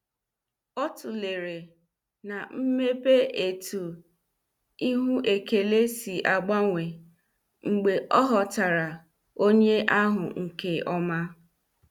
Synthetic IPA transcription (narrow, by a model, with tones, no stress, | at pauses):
ɔ˦tʊ˨le˨ɾe˨ | na˨m̩˦me˦pe˦e˨tʰu˨ | i˦ɦu˦ʔe˨ke˨le˦si˨ʔa˨ɡ͡ba˦ŋʷe˨ | ŋ͡m̩˨ɡ͡be˨ʔɔ˦ɦɔ˨ta˨ɾa˨ | o˦ɲe˦ʔa˦ɦʊ̰˨ŋ̩˨ke˨ɔ˦ma˦